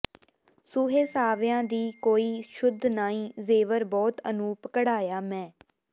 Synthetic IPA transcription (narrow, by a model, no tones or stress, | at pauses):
sʊːɦeːsaːʋjãːd̪iːkoːiːʃʊd̪ʱnaːĩːzeːʋəɾbɔːt̪ənũːpəkəɽaːjaːmɛ̃ː